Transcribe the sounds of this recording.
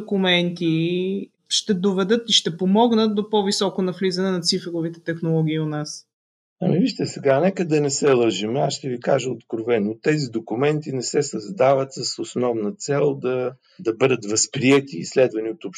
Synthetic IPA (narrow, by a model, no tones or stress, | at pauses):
kʊmɛnt̪i | ʃt̪ɛd̪ovɛd̪ɤt̪iʃt̪ɛpomɔɡnət̪̚d̪opɔvisɔkonɐflizɐnɛnɐt̪sifɛɾovit̪ɛt̪ɛxnolˠɔɡʲiːʊnas | ɐ̰miviʃt̪əsɛɡanɛkəd̪ɐnɛsɛlˠəʒimɛasʃt̪ɛvikaʒəot̪kɾovɛnːot̪ɛzid̪okumɛnt̪inɛsɛsɐzd̪avɐt̪səsosnɔvnɐt̪sɛlˠd̪ɐ | d̪ɐbɤd̪ət̪vɐspɾiɛt̪iːslɛd̪vɐniot̪opʃ